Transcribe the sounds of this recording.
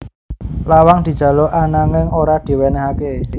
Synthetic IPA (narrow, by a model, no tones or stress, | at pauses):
lawaŋd̪̥i̤d̥ʒ̥a̤loʔanaŋɪŋoɾad̪̥i̤wɛnɛɦake